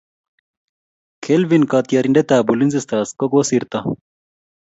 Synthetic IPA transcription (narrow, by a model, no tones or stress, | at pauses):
kʰelʋinkat̪ijɐɾiɳɖet̪aːbulinzist̪aːskoɡosiɾt̪ɐ